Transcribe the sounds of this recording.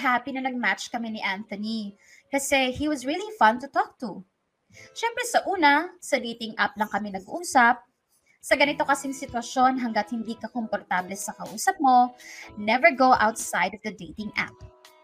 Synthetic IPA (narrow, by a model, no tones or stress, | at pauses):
ɦapinɐnɐɡ̚mat̪t͡ʃkɐmɛniʔãnt̪ɐni | kɐsɛhiwɐzɹilifɐ̃nt̪ʊt̪ɔk̚t̪u | ʃɛmpɾɛsɐʔuːnɐsɐd̪iːt̪ɪŋʔap̚lɐŋkɐmɪnɐɡuʔuːsɐp̚ | sɐɡɐnɪt̪o̞kɐsiŋsɪt̪wɐʃo̞nɦɐŋɡɐt̪̚hɪnd̪iːkɐkompoɾt̪ablɛsɐkɐʔuːsɐp̚mo̞nɛvɛɹɡoʔawt̪sajd̪ɔvd̪ɐd̪ejt̪ɪŋʔa̰p̚